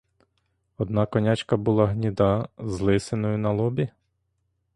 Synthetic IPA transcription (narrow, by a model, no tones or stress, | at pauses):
ɔd̪nɑkɔnʲat͡ʃkɐbʊlˠɑɦnʲid̪ɑzlˠɪsenɔjʊnɐlˠɔbʲi